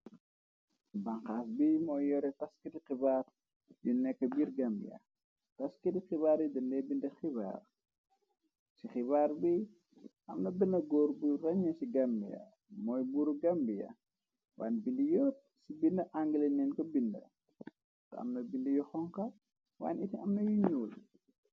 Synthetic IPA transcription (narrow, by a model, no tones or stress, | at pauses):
bɐŋxaːsbimɔːjjɔɾɛtɐskidixibaːr | junɛkːɐbiːrɡɐmbḭjɐ̰ | tɐskidixibaːɾjudɐndɛbindɐxiba̰ːr | sixibaːɾbi | ʔɐmnɐbinɐɡɔːɾburɐɲːɐsiɡɐmbijɐ̰ | mɔːjbuɾuɡɐmbijɐ̰ | wa̰ːnbindijɔːt̚ | sibindɐʔaŋɡəlɐnɛːnkɔbindɐ̰ | tɐɐ̰mnɐbindɐjuxɔŋkɐ | wa̰ːnitiɐmnɐjuɲuːl